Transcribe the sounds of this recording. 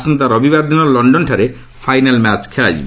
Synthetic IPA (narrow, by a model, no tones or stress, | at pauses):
sunt̪aɾɔbibaɾd̪ʱinɔɾlɔɳɖɔnʈʰaɾe | fʰajnalmat͡ɕkʰɛla̰jd͡ʑḭb